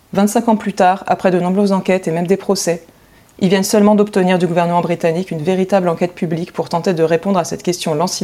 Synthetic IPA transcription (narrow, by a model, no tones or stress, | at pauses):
vɛ̃t̪sɛ̃kɑ̃plyt̪aʁa̰pχɛd̪ənɔ̃bʁøzːɑ̃kʲɛt̪emɛmd̪epχɔsɛ | ilvjɛnsœlmɑ̃d̪ɔpt̪əniʁd̪yɡuvɛʁnəmɑ̃bʁit̪anikynveʁit̪ablɑ̃kʲɛt̪̚pʰyblikpuʁt̪ɑ̃t̪ed̪əʁepɔ̃d̪ʁasɛt̪kʲɛst̪jɔ̃lɑ̃si